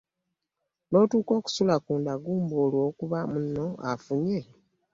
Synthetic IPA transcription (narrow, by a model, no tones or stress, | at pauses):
no̞ːtuːko̞ːku̥sulakuːndaɡuːmboːlwo̞ːkuβamunːoafuɲe